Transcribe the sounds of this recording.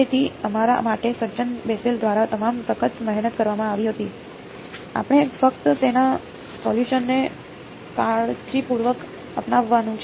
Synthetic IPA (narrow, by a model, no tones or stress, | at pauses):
et̪ʰiəmaɾa̰maʈesəɾt͡ʃənbeseld̪ʱʋaɾat̪əmamsəkʰət̪məɦnət̪̚kəɾʋamãaʋiɦət̪i | a̰pəɽ̃efək̚t̪ət̪ena | sɔljuʃənːe | kaɭt͡ʃipuɾʋək | əpnaʋːanũt͡ʃʰ